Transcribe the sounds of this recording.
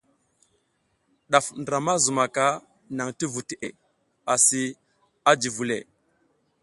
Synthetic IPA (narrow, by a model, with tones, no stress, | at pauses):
ɗa˨fndə˨ɾa˨ma˦zu˨ma˨ka˦ | na˨ŋti˦vu˨te˨ʔe˨ | a˨si˦ | a˦d͡ʒi˨vu˨lḛ˨